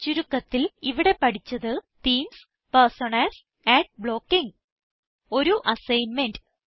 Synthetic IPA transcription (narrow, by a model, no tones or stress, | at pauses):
t͡ɕuɾukːɐt̪ːiliʋiɽe̞pɐʈʰit͡ɕːɐðɨt̪iːms | pɐrsoɳɐls | æːʈ̚bɭo̞ːkːiŋ | o̞ɾuʔɐsɐjnmenɖ